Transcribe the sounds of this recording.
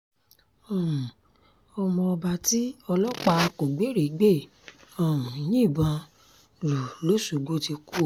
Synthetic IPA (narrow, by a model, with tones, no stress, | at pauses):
ɔ̃˨ | ɔ˧mɔ̃˧ɔ˧ba˧ti˦ɔ˧lɔ˦k͡pa˧ko˨ɡ͡be˨˦ɾi˨˦ɡ͡be˦˨ | ɔ̃˨jĩ˦˨bã˧ | ɾu˨lo˦su˨ɡ͡bo˦ti˧ku˦˨